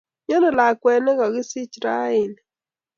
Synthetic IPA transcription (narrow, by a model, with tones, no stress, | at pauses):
ɲɔ˦ne˨la˨kwɛ˨ne˦ɣɔ˨ɣɪ˦si˦t͡ʃɾa˦ɪ˦˨n˨